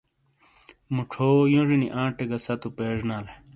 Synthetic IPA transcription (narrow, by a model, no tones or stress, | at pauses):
muʈ͡ʂʰoːjõʐinḭʔãːʈeɡɐsɐt̪upeːʐnaːle